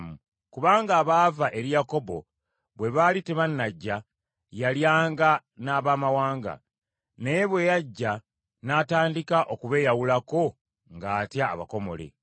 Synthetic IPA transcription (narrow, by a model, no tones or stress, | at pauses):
mu | kuβaːŋɡaːβaːvaʔe̞ɾijako̞bo̞̰ | βwe̞βaliteβanːaɟːa | jaljaːŋɡanaːβaːmawaːŋɡa̰ | nejeβwe̞jaɟːa | nataːndikaʔo̞kuβe̞ːjawulako̞ | ŋɡaːtjaːβako̞mo̞̰lḛ